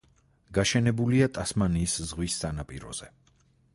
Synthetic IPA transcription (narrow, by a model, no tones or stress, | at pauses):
ɡ̥aʃɛnɛbuliat̪ʼasmaniːszʁwisːanapʼiɾɔ̰z̥ɛ